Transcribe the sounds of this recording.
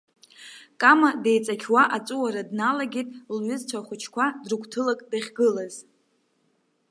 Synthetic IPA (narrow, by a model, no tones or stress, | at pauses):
kʼamadejt͡sʼakʲʰwaʔat͡sʼuwaɾadnalaɡʲitʼlɥʊzt͡sʷʰaχʷʊt͡ʃʰkʷʰadrɨkʷʰtʰɨlakʼdaχʲɡɨlaz̥